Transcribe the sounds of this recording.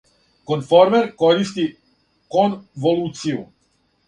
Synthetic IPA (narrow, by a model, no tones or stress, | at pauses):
konfɔɾmɛɾkoɾist̪i | konvoluːt̪siu